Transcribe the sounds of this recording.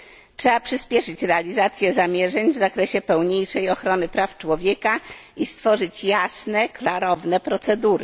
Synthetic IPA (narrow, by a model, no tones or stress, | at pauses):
tʂɛbapʂɘspʲjɛʂɘt͡ɕɾɛalʲizat̪sʲjɛzamʲjɛʐɛɲvzakɾɛɕɛpɛwɲejʂɛjɔxɾɔnɘpɾaft͡ʂwɔvʲjɛkaist̪fɔʐɘt͡ɕjasnɛklaɾɔvnɛpɾɔt̪sɛd̪uɾɘ